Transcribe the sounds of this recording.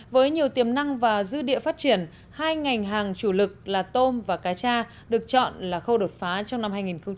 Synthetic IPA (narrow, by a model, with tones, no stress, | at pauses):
vəː˨˦jɲi˨˩əwt̪i˨˩əmna˧ŋvaː˨˩zɨ˧ɗḭ˧˨əfaː˦˥t̚t͡ɕi˧˩ən | haː˧jŋa˨˩jŋ̟ɦaː˨˩ŋt͡ɕu˧˩lɨ˨˩k̚laː˨˩t̪o˧mvaː˨˩kaː˨˦t͡ɕaː˧ | ɗɨ˨˩ək̚t͡ɕɔ̰˧˨nlaː˨˩xə˧wɗo˨˩t̚faː˨˦t͡ɕɔ˧wŋ͡mna˧mhaː˧jŋi˨˩nxə˧ŋ͡m